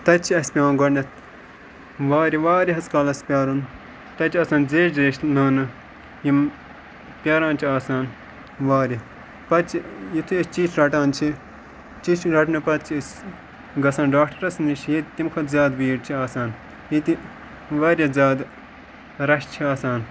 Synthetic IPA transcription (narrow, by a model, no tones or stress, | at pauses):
t̪ɐt͡ʃʰiɐspʲjaːnɡɐʈnɐt̪ | ʋaːɾʲiʋaːɾʲiɦɐskaːlɐspʲjaːɾun | t̪ɐt͡ʃiɐsãːnzeːʃzeːʃnaːnɨ | jim | pʲjaːɾãːnt͡ʃʰiaːsaːn | ʋaːɾi | pɐt͡ʃʰijit̪ʰiɐst͡ʃiːʃɾɐʈaːnt͡ʃʰi | t͡ʃiʃɾɐʈnɐpɐt̪̚t͡ʃʰiɐs | ɡɐsaːnɖaːk̚ʈɐɾɐsniʃjit̪t̪imkʰɐt̪zʲaːd̪ʋiːɾt͡ʃʰiaːsaːn | jit̪i | ʋaːɾʲɐzʲaːd̪ | ɾɐʃt͡ʃʰiaːsaːn